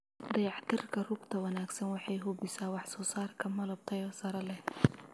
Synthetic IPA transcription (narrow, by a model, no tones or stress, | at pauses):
d̪ɐjɑʕt̪ʰɪrkʰɐrʊɡt̪ʰɐwɐnaːɡsɐnwɑħɑjɦʊbɪsaːwɑħsɔːsaːrkʰɐmɐlɐb̚t̪ʰɐjɔːsɐɾɐlɛh